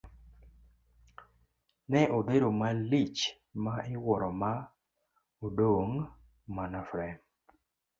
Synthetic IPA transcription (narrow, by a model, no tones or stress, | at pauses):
nɛʔodeɾomalit͡ʃ | maʔɪwɔɾɔma | odoŋ | manafɾɛm